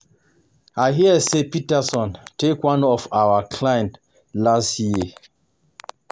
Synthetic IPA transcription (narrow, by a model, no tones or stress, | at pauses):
aɪɦiəsepitəsɔ̃ntʰekwãnɔfaʊəkʰlãjɛ̃nt | lastji